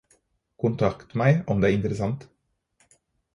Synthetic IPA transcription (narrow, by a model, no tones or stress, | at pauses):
kʰʊnt̪ʰɑkt̪mæɪɔmd̪eːæːɾɪnt̪əɾəsɑnt̪